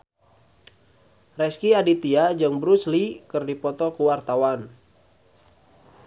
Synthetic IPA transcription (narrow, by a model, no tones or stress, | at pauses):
rɛskiadit̪iad͡ʒəŋbɾuslikɨrdipɔt̪ɔkuwart̪awan